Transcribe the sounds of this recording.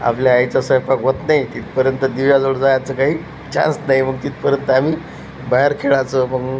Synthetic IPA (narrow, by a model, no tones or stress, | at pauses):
a̰pljaːjt͡sasəjpakɦot̪najt̪iːt̪pəɾjənt̪əd̪iʋjad͡zoɽd͡zajat͡səkaɦiː | t͡ɕã̰nsnaɦiməɡ̚t̪iːt̪̚pəɾjənt̪əamiː | baɦeɾkʰeɭat͡səːməɡ